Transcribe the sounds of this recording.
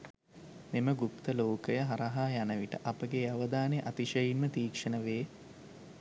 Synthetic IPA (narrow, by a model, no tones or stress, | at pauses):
meməɡupt̪əloːkəjəɦaɾɐɦaːjanəʋiʈə̰ʔapəɡeaʋəd̪aːneʔat̪iʃəjinmət̪iːkʂənəʋeː